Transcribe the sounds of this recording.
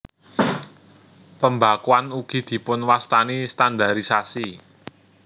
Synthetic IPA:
pəmbakuanuɡ̥i̤d̪̥i̤pʊnwast̪anist̪and̪aɾisasi

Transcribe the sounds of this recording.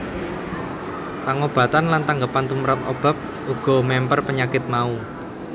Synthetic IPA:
t̪aŋob̥a̤t̪anlant̪aŋɡəpant̪umɾat̪ob̥a̤p̚ | uɡ̥ɔ̤mɛmpərpəɲakɪt̪̚mau

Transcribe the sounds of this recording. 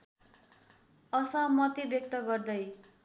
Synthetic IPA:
ʌsʌmʌt̪ebjʌk̚t̪ʌɡʌrd̪ʌj

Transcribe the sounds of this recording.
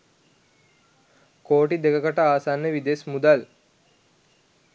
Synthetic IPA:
koːʈid̪ekəkaʈəaːsanːəʋid̪esmud̪al

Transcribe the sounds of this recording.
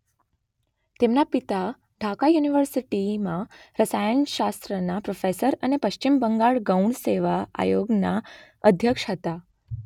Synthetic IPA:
t̪emnapit̪a | ɖʱakajuniʋəɾsiʈimãɾəsajənʃast̪ɾənapɾofesəɾənepəʃt͡ʃimbəŋɡaɭɡəuɳɖseʋaa̰joɡna | əd̪ʱjəkʂɦət̪a

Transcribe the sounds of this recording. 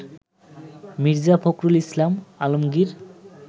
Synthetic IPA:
miɾd͡ʑafʰokɾulislamalomɡiɾ

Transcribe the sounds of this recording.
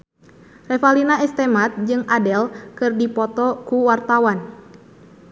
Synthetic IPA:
rɛfalinaɛst̪ɛmat̪̚d͡ʒɨŋadɛlkɨrdipɔt̪ɔkuwart̪awan

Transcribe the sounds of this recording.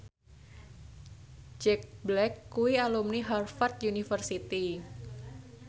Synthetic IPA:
d͡ʒɛk̚blɛkːuwialumniɦarfart̪̚junifərsit̪i

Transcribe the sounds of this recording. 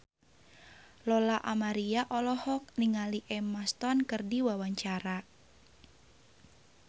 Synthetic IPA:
lɔlaʔamaɾiaʔɔlɔhɔk̚niŋaliʔɛmast̪ɔnkɨrdiwawaɲt͡ʃaɾa

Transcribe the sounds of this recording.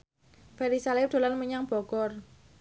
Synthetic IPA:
pɛɾisalɪp̚d̥o̤lanməɲaŋb̥ɔ̤ɡ̥ɔr

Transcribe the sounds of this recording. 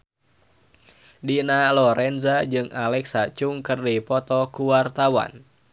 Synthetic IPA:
dinalɔɾɛnzad͡ʒɨŋalɛksat͡ʃuŋkɨrdipɔt̪ɔkuwart̪awa̰n

